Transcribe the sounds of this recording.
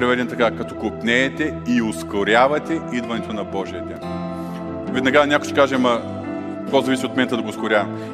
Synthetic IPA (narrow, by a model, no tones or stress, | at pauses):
ɾɛvɛd̪ɛnt̪ɐkakɐt̪ɔkopnɛːt̪ɛioskoɾʲavɐt̪ɛʔid̪vɐnɛt̪onɐbɔʒiəd̪ɛn | vɛd̪nɐɡanʲakoʃt͡ʃ̪ɛ̥kaʒɛmɐ | kozɐvisiot̪mɛnt̪ɐd̪ɐɡoːskʊɾʲavɐ